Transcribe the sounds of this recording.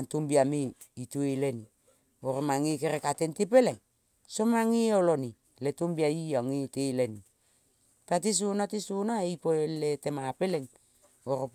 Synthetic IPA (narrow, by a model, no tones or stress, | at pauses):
antumbiami | itueleni | oɾomaŋikeɾekatentip̬eleŋ | somaŋioloni | letumbiaiaŋiteleni | pat̬is̬unatisunaejpoeletemapeleŋ | oɾop